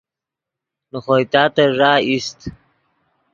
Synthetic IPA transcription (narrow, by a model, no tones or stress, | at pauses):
noxojt̪ɑːt̪aʐɑːist̪